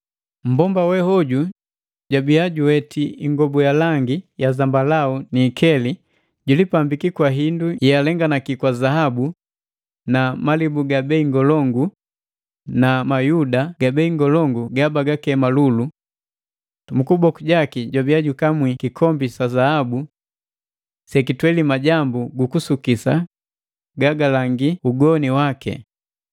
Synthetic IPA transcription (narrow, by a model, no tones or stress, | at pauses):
m̩bɔmbawɛhɔɟu | ɟwabiaɟuwɛtʰiiŋɡɔbujalaŋɡijazambalauniːkʰɛli | ɟulipambikikwaɦindualɛŋɡanakikwazaɦabu | namalibuɡabɛiŋɡɔlɔŋɡu | namajudaɡabɛiŋɡɔlɔŋɡuɡabaɡakɛmalulu | mukubɔkuɟakiɟabiaɟukamwikikʰɔmbisazahabu | sɛkitwɛlimaɟambuɡukusukisa̰ | ɡaɡalaŋɡiuɡɔniwakɛ̰